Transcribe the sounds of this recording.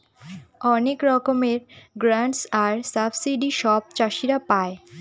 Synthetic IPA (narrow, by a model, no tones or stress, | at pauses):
ɔnekɾɔkomeɾɡɾaɳʈsaɾsabsiɖiʃɔb̚t͡ɕaʃiɾapae